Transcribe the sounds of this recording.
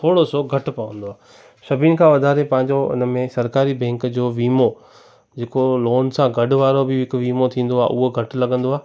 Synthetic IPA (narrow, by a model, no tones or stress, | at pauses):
t̪ʰoːɽosoɡʱɐʈ̆pɐʋə̃nd̪oaː | ʃɐbʱinkʰãʋɐd̪ʱaːɾepɐ̃ɦɪ̃ɲ̆d͡ʑoɪ̰nə̆mẽsɐɾkaːɾibɛ̃ːŋkd͡ʑoːʋiːmo | d͡ʑeːkoloːnsãɡɐɖʊ̆ʋaːɾobɪɦɪkʋiːmot̪ʰĩːn̆d̪oaːɦʔʊɦoɡʱɐʈ̆lɐɠə̃nd̪oaː